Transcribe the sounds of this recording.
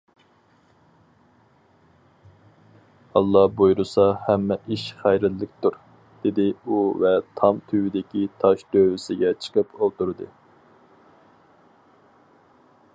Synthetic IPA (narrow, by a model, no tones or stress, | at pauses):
ɑlˠːɑhbojɾusɑhæmːɛiʃχæjɾɪlːɪkʲt̪uɾ | d̪̥ɪd̪ɪuvɛt̪ʰɑmt̪ʰywɪd̪ɪkʲit̪ʰɑʃd̪̥øwɪsɪɡʲɛt͡ʃʰə̥qʰəpot̪uɾɨd̪ɨ